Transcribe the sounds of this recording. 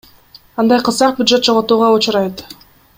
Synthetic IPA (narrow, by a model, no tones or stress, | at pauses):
ɑnd̪ɑjqʰɯzɑq̚bʲjʊd̪ʒe̞t̪̚d͡ʒoʁot̪uːʁɑut͡ʃʊɾɑjt̪